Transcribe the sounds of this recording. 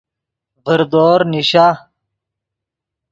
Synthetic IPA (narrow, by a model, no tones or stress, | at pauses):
vəɾd̪oːɾniɕa